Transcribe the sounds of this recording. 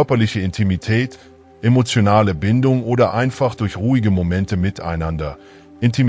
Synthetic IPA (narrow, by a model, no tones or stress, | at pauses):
œɐpɐlɪçəɪntʰimitʰɛːt | ʔemot͡sjonaːləbɪndʊŋʔoːdɐʔaɪnfaχd̥ʊɐçʁuːɪɡəmomɛntəmɪtʰa̰ɪnandɐ | ʔɪntʰim